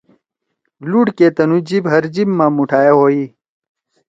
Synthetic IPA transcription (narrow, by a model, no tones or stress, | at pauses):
luɽkeːt̪ɐnud͡ʑibɦɐɾd͡ʑimːaːmuʈʰaːjeɦoːi